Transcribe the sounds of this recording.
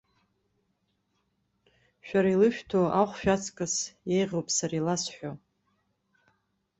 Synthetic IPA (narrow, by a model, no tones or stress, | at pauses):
ʃᶣaɾailɨʃᶣtʰoʔaχʷʃᶣat͡sʰʼkʼasjejʁʲowpʼsaɾilasħʷᶣo